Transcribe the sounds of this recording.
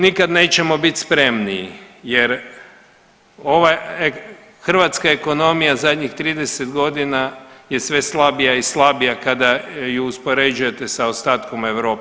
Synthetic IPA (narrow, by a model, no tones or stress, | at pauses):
nikad̪ne̞ːt͡ɕe̞mo̞bit̪ʲspɾe̞mniḭje̞ɾ | o̞ʋae | xr̩ʋat̪skaeko̞no̞mijazad̪ʲɲixt̪ɾiːd̪e̞set̪ɡo̞d̪inaje̞sʋe̞slˠabijaislˠabijakad̪ajuuspo̞ɾe̞d͡ʒuje̞t̪e̞saost̪aːt̪ko̞me̞ʋɾo̞ːp